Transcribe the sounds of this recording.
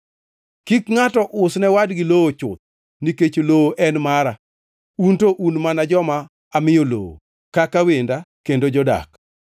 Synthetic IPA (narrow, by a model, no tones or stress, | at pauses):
kikŋatɔʔʊsnɛwadɡɪlowot͡ʃʊ̰t̪̚ | niket͡ʃolowoʔɛnmaɾa | untoʔunmanad͡ʒɔmaː | mɪjolo̰wo̰ | kakawendakendod͡ʒɔda̰k